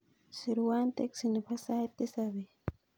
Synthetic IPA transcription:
siɾuwant̪eksinipasat̪ːisaβi

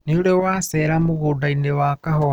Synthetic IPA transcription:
niulewaseɾamuɣudainewakaho

